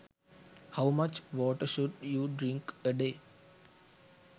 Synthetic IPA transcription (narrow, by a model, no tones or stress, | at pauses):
haʊmʌt͡ʃʋɔːʈəɾʃʊɖjuːɖɾɪ̃ŋkəɖeː